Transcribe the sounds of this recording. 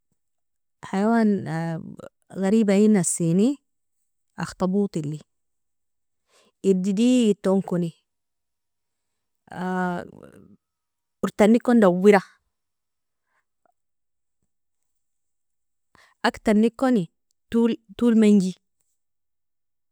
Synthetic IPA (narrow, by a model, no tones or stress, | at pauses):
ħajawaːn | ɣaɾiːbajinːasiːni | ʔa̰xt̪ɑbuːt̪ˤilːi | id̪id̪ijit̪ːoŋkoni | uɾt̪anːikːond̪awːiɾa | ʔakt̪anːikːoni | t̪uːlt̪uːlmaŋɡi